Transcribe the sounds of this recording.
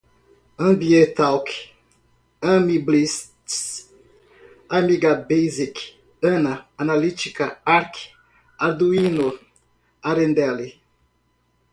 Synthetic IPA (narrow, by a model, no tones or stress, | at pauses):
ɐ̃biẽt̪awk | ɐ̃miblists | amiɡabejzik | ɐ̃naanalit͡ʃikaaɾk | aɾd̪uinu | aɾẽnd̪ɛli